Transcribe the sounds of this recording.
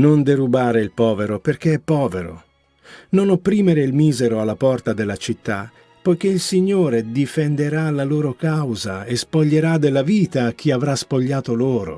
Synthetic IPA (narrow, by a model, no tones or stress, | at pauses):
nond̪eɾubaːɾeilpɔːveɾoperk̟eɛpːɔːveɾo̰ | nonopːɾiːmeɾeilmiːzeɾoalːapɔrt̪ad̪elːat͡ʃit̪ːa | pɔjk̟eilsiɲːoːɾed̪ifend̪eɾalaloːɾokawzaespoʎːeɾad̪elːaviːt̪ak̟ʰːiavɾaspoʎːaːt̪oloːɾo̰